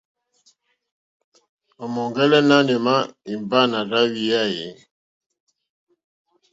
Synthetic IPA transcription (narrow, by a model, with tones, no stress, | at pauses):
ɔ˨mɔ˨ŋɡɛ˦lɛ˦na˦nɛ˨ma˦i˨mba˦˨na˨ɾa˦wi˨ja˦je˨˦